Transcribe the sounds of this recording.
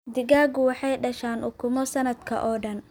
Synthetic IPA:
d̪ɪɡaːɡʊwɑħɑjɖɐʃaːnʔʊkʰʊmɔsɐnɐd̪kʰɐ̰ʔɔːɖɐn

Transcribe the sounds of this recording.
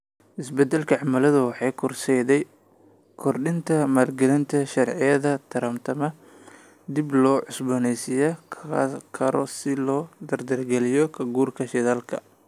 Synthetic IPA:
ʔɪsbɛd̪ːɛlkʰɐʕɑmɐlɐðʊwɑħɑjkʰʊrsɛjðɛj | kʰɔrɖɪnt̪ʰɐmaːlɡɛlɪnt̪ʰɐʃɐrʕɪjɐðɐt̪ʰɐɾɐmt̪ʰɐmɐ | d̪ɪblɔːʕʊsbɔnɛjsɪjɔkʰɐɾɔ̰sɪlɔːd̪ɐrd̪ɐrɡɛlɪjɔkʰɐɡuːrkʰɐʃɛðaːlkʰɐ

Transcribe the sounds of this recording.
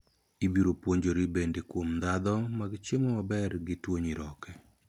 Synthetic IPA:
ibiɾopwoɲd͡ʒoɾibendekwomd̪ad̪ɔmaɡɪt͡ʃemɔmabɛrɡɪtwoɲiɾɔkɛ

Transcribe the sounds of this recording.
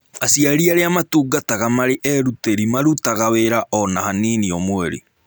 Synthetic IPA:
asiaɾiaɾeamatuːɡataɣamaɾeʔɛɾuteɾimaɾutaɣaweɾaʔɔnahaniniomwɛɾḭ

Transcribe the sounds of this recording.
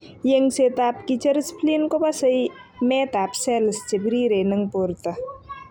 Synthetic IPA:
jɐŋɡset̪aːpkit͡ʃɐɾspʰliːnkobasɐjmeːt̪aːpsɛːlɐst͡ʃebɾiːɾeːnɐŋɡpoɾt̪ɐ

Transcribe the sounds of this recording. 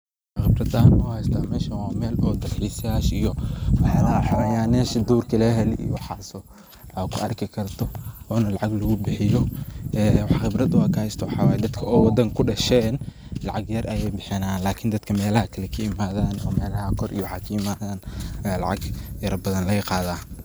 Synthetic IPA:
xɪbrɐd̪aːnmɔːhɛjst̪ʰaːmɛːʃɐwɑːmɛːlʔɔːd̪ɐlħisjaːʃijɔwɑħɑlɐħɑɾɐjaːnɛːʃɐd̪uːrkʰɐlɛɦɛlḭjwħaːsɔ | kʰʊʔɐrkʰɪkʰɐrt̪ʰɔɔːnɐlɑʕɑɡlɐɣʊbɪħɪjɔʔɛːwɑħxɪbɾɐd̪waːkʰɐhɛjst̪ʰɐwɑħɑːwaːjɛd̪ɐd̪kʰɐɔːwɑd̪ɐŋkʰʊɖɐʃɛːn | lɑʕɑɡjɐrʔɐjɛjbɪħɪnaːnlaːkʰɪnd̪ɐd̪kʰɐmɛːlɐhɐkʰɐlɛkʰɐɪmaːðaːnɔːmɛːlɐɦɐkʰɔrʔḭjɔwħɑkʰɐɪmaːðaːnɐjaːlɑ̰ʕɑ̰ɡjɐɾɐbɐðɐnlɐɣɐqɑːðaː

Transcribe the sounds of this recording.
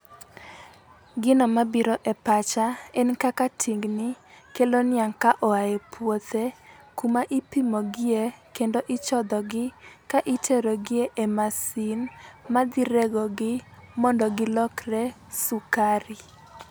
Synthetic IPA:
ɡɪnɔmabiɾɔʔɛpat͡ʃaɛnkakatʰiŋɡnɪkelonɪaŋkaʔɔajepʰwot̪ʰekumaʔipimoɡɪekendoʔɪt͡ʃɔd̪ɔɡɪkaʔitʰeɾoɡɪeʔemasinmad̪ɪɾeɡɔɡɪmɔndɔɡɪlɔkrɛ | sukaɾɪ

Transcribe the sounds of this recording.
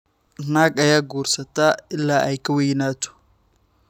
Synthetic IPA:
naːɡɐjaːɡuːrsɐt̪ʰaːɪlːaːʔɛjkʰɐwɛjnaːt̪ʰɔ̥

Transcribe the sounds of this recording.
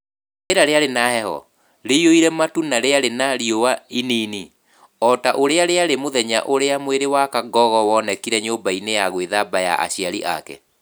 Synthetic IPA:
eɾaɾeaɾenahɛhɔ̰ | ɾeioiɾɛmatunaɾeaɾenaɾiowainiːni | ɔtaʔoɾeaɾeaɾemoðɛɲa̰ʔoɾeamweɾewakaɡɔɣɔwɔnɛkiɾɛɲombainejaɣweðabaja̰ʔa̰ɕiaɾiʔa̰kɛ̰

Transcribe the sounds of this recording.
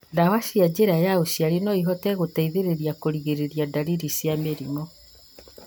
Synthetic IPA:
dawaʃiad͡ʑeɾajaoɕiaɾenɔiɦɔtɛɣotaiðeɾeɾiakoɾiɣeɾeɾiadaɾiɾisjameɾiŋɔ

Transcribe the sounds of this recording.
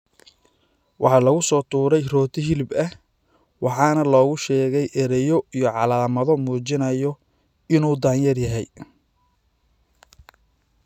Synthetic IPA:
wʔɑħɑlɐɣʊsɔːt̪ʰuːɾɛjrɔːt̪ʰɪɦɪlbɐh | wʔɑħɑːnɐlɔːɣʊʃɛːɣɛjʔɛɾɛjɔijɔʕɑlaːmɐðɔmuːt͡ʃɪnɐjɔ | ɪnuːd̪aːnjɐrjɐɦɛj

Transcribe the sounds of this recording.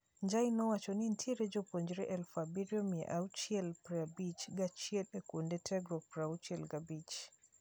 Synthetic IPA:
ɲd͡ʒainɔwat͡ʃɔnintʰieɾɛd͡ʒopoɲd͡ʒɾɛʔɛlfabiɾjɔmiɛʔaut͡ʃiɛlpɾabit͡ʃɡat͡ʃiɛlɛkundɛtʰɛɡɾɔpɾaut͡ʃɛlɡabit͡ʃ

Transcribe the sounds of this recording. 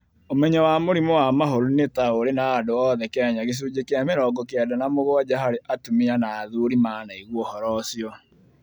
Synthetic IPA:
omɛɲɔwamoɾimowamaɦoɾunetaoɾenaːdoɔðɛkɛɲaɣes̬uːd͡ʑekeameɾɔɡɔkeɛdanamoɣoad͡ʑaɦaɾeʔatumianaːðuɾimaːnaiɣwɔhɔɾɔsiɔ

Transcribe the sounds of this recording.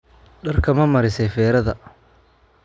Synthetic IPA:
ɖɐrkʰɐmɐmɐɾɪsɛjfɛːɾɐðɐ

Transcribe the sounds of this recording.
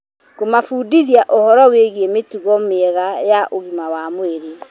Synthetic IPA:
komafuːdiðiaʔohɔɾɔweɣiemetuɣɔmeɣajaʔoɣimawamoeɾe

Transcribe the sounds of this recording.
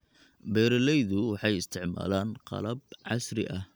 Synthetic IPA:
bɛːɾɐlɛjðʊwɑħɑjɪst̪ʰɪʕma̰ːlaːnqɑ̰lɐb̚ʕɑsrɪ̰ʔɐh

